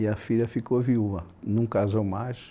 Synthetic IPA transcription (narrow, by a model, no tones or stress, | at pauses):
iɐfiʎɐfikoviuvɐ | nũkazomaʃ